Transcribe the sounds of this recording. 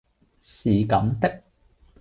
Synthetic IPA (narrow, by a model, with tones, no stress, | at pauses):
siː˨˩kɐ˨˥mt̪ɪ˥k̚